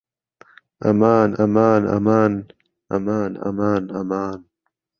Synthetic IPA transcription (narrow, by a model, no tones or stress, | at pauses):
ɐmaːnɐmaːnɐ̰maːn | ɐ̰maːnɐ̰maːnɐmaːn